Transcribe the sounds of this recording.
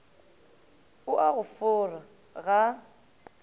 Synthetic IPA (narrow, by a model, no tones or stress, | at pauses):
ʊʔaɣʊfʊra | ɣa